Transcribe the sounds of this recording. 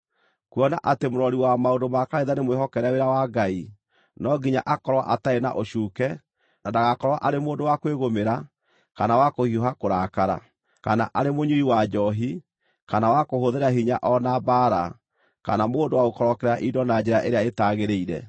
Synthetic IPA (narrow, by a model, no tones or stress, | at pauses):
kuɔnaʔatemoɾɔɾiwamaondomakaɾeðanemweɦɔkɛɾɛweɾawaɡai | nɔɡiɲaʔakɔɾwa̰ʔataena̰ʔoɕukɛ | nadaɣakɔɾwaʔaɾemoːndowakweɣomeɾa | kanawakohioɦakoɾakaɾa̰ | kana̰ʔaɾemoɲuiwad͡ʒɔɦi | kanawakoɦoðeɾaɦiɲaʔɔnabaːɾa̰ | ka̰namoːndowaɣokɔɾɔkɛɾaʔidɔnad͡ʑeɾaʔeɾeaetaɣeɾeiɾɛ̰